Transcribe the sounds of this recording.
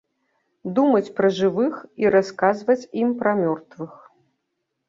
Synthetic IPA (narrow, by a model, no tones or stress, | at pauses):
d̪umɐt͡sʲpɾɐʐɨvɨxiɾaskazvɐt͡sʲimpɾɐmʲɔrt̪vɨx